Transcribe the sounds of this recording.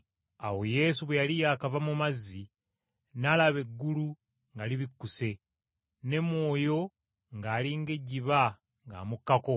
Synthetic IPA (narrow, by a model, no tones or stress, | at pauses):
a̰wo̞je̞ːsuβwejalijaːkavamumazːi | nalaβe̞ɡːulu | ŋɡaliβikːuse̞ | ne̞mwo̞ːjo̞ | ŋɡaːliŋɡe̞ɟiβa | ŋɡa̰ːmukːako̞